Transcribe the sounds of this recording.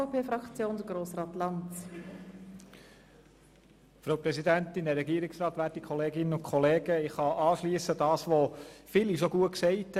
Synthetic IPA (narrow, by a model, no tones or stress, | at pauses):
pʰeːfɾɑkt͡sjoːndɡ̥ɾoːsrɑːt̪lɑnt͡s | fɾaʊpɾɛsidænt̪ɪndɛɾɛɡiəɾɪksɾɑːt̪ʋæːtikʰɔleːɡɪnənʊnkʰχɔleːɡ̥əɪχhɑʔɑːʃliəsədɑːsʋofɪliʃoɡuətksɛɪt